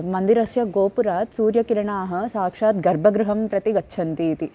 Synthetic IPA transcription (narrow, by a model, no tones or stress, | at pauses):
mɐnd̪iɾɐsjɐɡoːpuɾaːt̪suːɾjɐkiɾɐɳaːɦɐ̆saːkʂaːt̪ɡɐɾbʱɐɡɾuɦɐmpɾɐt̪iɡɐtːʃʰɐnt̪iːt̪i